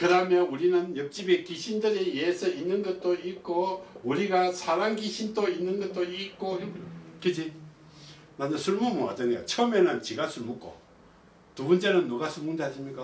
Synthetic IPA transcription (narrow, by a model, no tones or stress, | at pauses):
kɯdamjʌuɾinɯnjʌk̚t͡ɕ͈ibekiɕʰindɯɾejesʰʌinːɯnɡʌt̚t͈oik͈ouɾiɡasʰaɾaŋɡiɕʰindoinːɯnɡʌt̚t͈oik͈okɯd͡ʑi | maɲɯsʰuɭmumoa̰d͡ʑʌŋejo̰t͡ɕʰʌmenɯnt͡ɕiɡasʰuɭmuk͈o̰ | tubʌnt͡ɕ͈e̞nɯnːuɡasʰuɭmund̪eɦaɕʰimɲik͈a